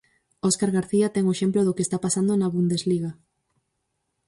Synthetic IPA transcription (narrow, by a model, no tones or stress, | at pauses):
oskaɾɣaɾθiat̪ɛŋoeʃemploðokeːst̪apasand̪onaβund̪ezliɣa